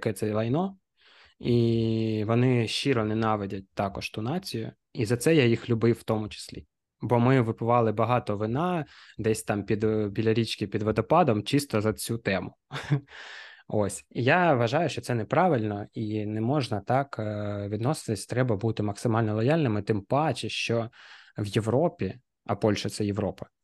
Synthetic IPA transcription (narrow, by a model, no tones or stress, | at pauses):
kɛt̪sɛlˠɐjnɔ | iʋɔnɪʃt͡ʃiɾɔnɛnɑʋedʲɐt̚ʲt̪ɑkɔʃt̪unɑt͡sʲijʊ̰ | izɐt̪sɛjajixlʲʊbɪwːt̪ɔmʊt͡ʃɪ̥sʲlʲḭ | bɔmɪʋɪpʊʋɑlˠɪbɐɦɑt̪ɔʋɪnɑd̪ɛsʲt̪ɑmpʲid̪bʲilʲɐɾʲit͡ʃkʲɪpʲid̪ʋɔd̪ɔpɑd̪ɔmt͡ʃist̪ɔzɐt͡sʲut̪ɛmʊ | osʲijaʋɐʒɑjʊʃt͡ʃɔtsɛnɛpɾɑʋɪlʲnɔinɛmɔʒnɐt̪ɑkʋʲid̪nɔsɪ̥t̪ɪsʲt̪ɾɛbɐbut̪ɪmɐksɪmɑlʲnɔlˠɔjɑlʲnɪmɪt̪ɪmpɑt͡ʃɪʃt͡ʃɔʋjeʋɾɔpʲi | ɐpɔlʲʃɐt̪sɛjeʋɾɔpɐ̥